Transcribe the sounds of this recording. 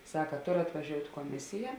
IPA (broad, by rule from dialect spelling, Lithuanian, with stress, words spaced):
ˈsɑːkɐ ˈtoːr ɐtʋɐˈʒʲoːʊtʲ koːˈmʲɪsʲɪjɛ